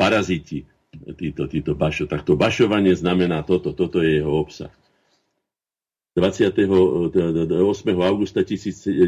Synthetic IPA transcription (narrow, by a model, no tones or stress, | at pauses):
paɾazit̪i | t̪iːt̪ɔt̪iːt̪ɔbaʃɔt̪ak̚t̪ɔbaʃɔʋaɲɪɛznamɛnaːt̪ɔt̪ɔt̪ɔt̪ɔjɛjɛɦɔɔpsa̰x | d̪̥ʋat͡sɪat̪ɛɦɔ | ɔsmɛɦɔaʊɡust̪acisiːt͡s